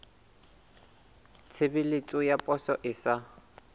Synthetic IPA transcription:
t͡sʰebɪlɪt͡sʼʊjapʼɔsɔʔɪsa

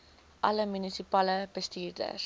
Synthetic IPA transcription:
ʔɐləmynisipaːləb̥əstiːrdə̰s

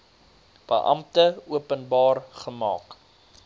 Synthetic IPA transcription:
b̥ə̰ʔɐ̰mtəuəpənbɑːrχəmɑ̰ːk

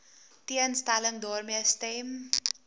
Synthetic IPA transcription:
tiənstaləŋdɔːrmiəstɛm

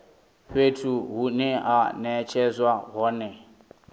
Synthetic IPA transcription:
ɸwetʰuɦunɛʔanɛt͡ʃʰɛzwaɦɔːnɛ

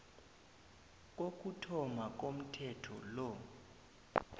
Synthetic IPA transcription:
k̬ʼok̬ʼutʰɔmak̬ʼom̩tʰɛtʰɔ̰lɔ

